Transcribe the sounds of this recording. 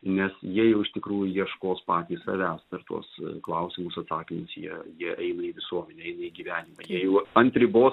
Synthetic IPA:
nʲɛsjiɛjɛʊɪʃt̪ʲɪkɾuːjʊjiɛʃkoːspɑːt̪ʲiːssɐ̰ʋʲæːst̪ɐrt̪ṵɔsklˠɐʊsʲɪmʊsɐt̪sɑːkʲɪmʊsjḭɛjiɛʔɛɪnɐiːʋʲɪsuɔmʲɛnʲɛɛɪnɐiːɡʲiʋʲæːnʲɪmɐjiɛjɛʊɐnʲt̪ʲɾʲɪboːs

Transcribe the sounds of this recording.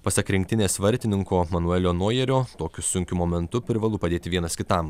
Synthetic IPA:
pɐsɐkɾʲɪŋʲk̚ʲt̪ʲɪnʲeːsʋɐɾʲt̪ʲɪnʲɪŋkoːmɐnʊɛlʲoːnuɔːjɛɾʲoːt̪oːkʲʊsʊŋʲkʲʊmoːmʲɛnt̪ʊpʲɾʲɪʋɐlˠʊpɐd̪ʲeːt̪ʲɪʋʲiɛnɐskʲɪt̪ɐm

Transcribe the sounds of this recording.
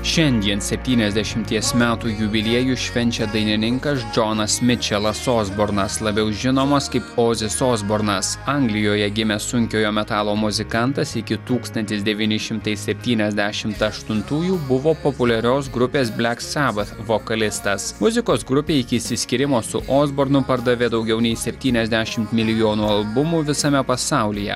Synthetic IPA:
ʃʲɛnʲd̪ʲiɛnsʲɛpʲt̪ʲiːnʲɛzʲd̪ʲɛʃʲɪmʲt̪ʲiɛsmʲæːt̪uːjʊbʲɪlʲiɛjuːʃʲʋʲɛnʲt͡ʃʲɛd̪ɐɪnʲɪnʲɪŋkɐs̬d͡ʒonɐsmʲɪt͡ʃʲɛlˠɐsoːzboɾnɐslˠɐbʲɛʊʒʲɪnoːmɐskɐɪpoːzʲɪsoːzboɾnɐsɐŋɡlʲɪjoːjɛɡʲɪmʲɛsʊŋʲkʲoːjoːmʲɛt̪ɑːlˠoːmʊzʲɪkɐnt̪ɐsɪkʲɪt̪uːkst̪ɐnʲt̪ʲɪsd̪ʲɛʋʲiːnʲɪʃʲɪmt̪ɐɪsʲɛpʲt̪ʲiːnʲɛzʲd̪ʲæʃʲɪmt̪ɐʃt̪ʊnt̪uːjuːbʊʋoːpopʊlʲɛɾʲoːs̬ɡɾʊpʲeːs̬bʲlʲæksʲæbɐt̪ʋoːkɐlʲɪst̪ɐsmʊzʲɪkoːsɡɾʊpʲeːɪkʲɪːsʲɪsʲkʲɪɾʲɪmoːsʊʔoːzboːɾnʊpɐɾd̪ɐʋʲeːd̪ɐʊɡʲɛʊnʲɛɪsʲɛpʲt̪ʲiːnʲɛzʲd̪ʲæʃʲɪmt̪mʲɪlʲɪjoːnuːɐlˠbʊmʊʋʲɪsɐmʲɛpɐsɑˑʊlʲɪjɛ̰

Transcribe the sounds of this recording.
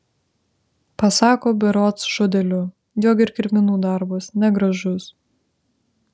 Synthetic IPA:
pɐsɑːkoːbʲɛɾoːt̪sʒʊd̪ʲɛlʲʊ | joːɡʲɪɾkʲɪɾʲmʲɪnuːd̪ɑˑɾbʊsnʲɛɡɾɐʒʊs

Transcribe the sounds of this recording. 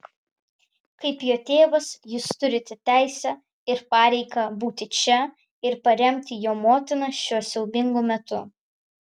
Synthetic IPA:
kɐɪpjoːt̪ʲeːʋɐsjuːst̪ʊɾʲɪt̪ʲɛt̪ʲæˑɪsʲɛ | ɪɾpɑːɾʲɛɪkɐbuːt̪ʲɪt͡ʃʲɛ | ɪɾpɐɾʲɛmʲt̪ʲɪjoːmoːt̪ʲɪnɐʃʲuɔsʲɛʊbʲɪŋɡoːmʲɛt̪ʊ

